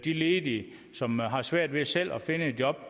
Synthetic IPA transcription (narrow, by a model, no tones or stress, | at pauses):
d̥ileːd̥i | sɒ̽mɦɑ̈sʋæɐ̰d̥ʋe̝sel̰ɒfe̝nəe̝d̥jɒ̽b̥̚